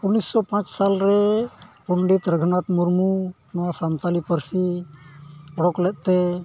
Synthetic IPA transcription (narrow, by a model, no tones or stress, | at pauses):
unisːɔpãt͡ʃsalɾɛpuɳɖit̪ɾəɡʱnat̪muɾmu | nwasamt̪alipəɾsi | ɔɽɔklɛt̪̚ˀt̪ɛ